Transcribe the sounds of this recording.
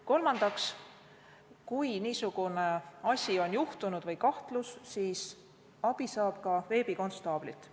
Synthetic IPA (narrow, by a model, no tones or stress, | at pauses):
ko̞lmɑnd̪̥ɑks | kujniːsuɡ̥uneɑsʲio̞njuht̪unud̪̥vɤjkɑht̪lussiːs | ɑb̥isɑːb̥kɑve̞ːb̥iko̞nst̪ɑːb̥lit̪ːˑ